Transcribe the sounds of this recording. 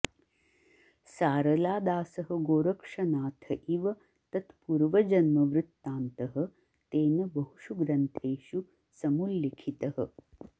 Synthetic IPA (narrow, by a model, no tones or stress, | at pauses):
saːɾɐlaːd̪aːsɐɦɐɡoːɾɐkʂɐnaːt̪ʰɐʔiʋɐ | t̪ɐt̪puɾʋɐd͡ʒɐnmɐʋɾut̪ːaːnt̪ɐɦɐ̆ | t̪eːnɐbɐɦuʂuɡɾɐnt̪ʰeːʃu | sɐmulːikʰit̪ɐhɐ̰